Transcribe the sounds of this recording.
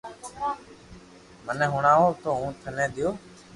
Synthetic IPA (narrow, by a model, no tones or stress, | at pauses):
məneɦʊɳaːɦoːt̪oːɦũːt̪ʰəneːd̪ɪjoː